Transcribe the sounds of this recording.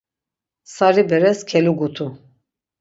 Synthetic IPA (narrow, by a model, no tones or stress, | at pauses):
saɾibɛɾɛskʰɛluɡut̪ʰu